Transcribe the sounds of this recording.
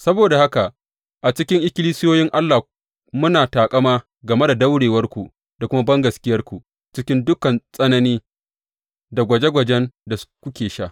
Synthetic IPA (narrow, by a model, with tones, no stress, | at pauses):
sɐ˦boː˨da˨ha˦ka˨ʔ | ʔa˨t͡ʃɪ˦kʲɪ˦ŋʔɪ˦kʲɪ˦liː˦sɪ˦joː˦jɪ˦ŋʔa˦lːa˨ | mʊ˦naː˨taː˨kʼɐ˦maː˦ | ɡɐ˨me˦da˨dɐ˦wɽeː˨wɐ˦rkʷu˨ | da˨kʷʊ˦ma˦bɐ˦ŋɡɐ˨skʲɪ˦jɐ˦rkʷu˨ | t͡ʃɪ˦kʲɪ˦ndʊ˦kɐ˨nsʼɐ˦nɐ˦niː˦ | da˨ɡʷɐ˨d͡ʒe˦ɡʷɐ˨d͡ʒɛ˦nda˨skʷʊ˦kʲeː˨ʃaː˦˨